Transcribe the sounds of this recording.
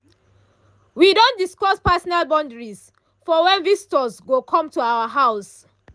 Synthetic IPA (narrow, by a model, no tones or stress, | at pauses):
widõndiskɔspasɔnalbãndəɹiz | fɔwɛ̃nvistɔzɡokʰɔ̃mtuaaɦaʊs